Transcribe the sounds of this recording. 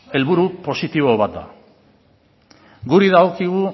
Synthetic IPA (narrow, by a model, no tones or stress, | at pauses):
e̞lβuɾupo̞sit̪iβ̞o̞β̞at̪̚d̪a̰ | ɡuɾiðaokiɣ̞u